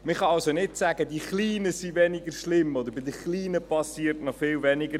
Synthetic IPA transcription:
məχɑɑlsonɪtsæɡədiχliːnəsivɛnɪɡəɾʃlɪmɔd̪əɾbɪd̪əχliːnəpɑsiːɾtnɔχfɪlvɛnɪɡə

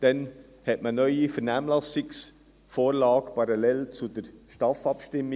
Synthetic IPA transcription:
d̪̥ɛn | hɛtmənœʏifəɾnæːmlɑsɪks | foːɾlɑːɡpʰɑɾɑlɛlt͡sudəɾʃtɑfɑpʃtɪmːɪ

